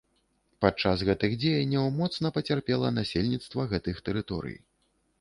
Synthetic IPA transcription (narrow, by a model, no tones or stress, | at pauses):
pat͡ʂːasɣɛt̪ɨɣd͡zʲejɐnʲːɐwmɔt̪snɐpɐt͡sʲarpʲɛlˠɐnasʲelʲnʲit̪st̪vɐɣɛt̪ɨxt̪ɛɾɨt̪ɔ̰ɾɨ̰j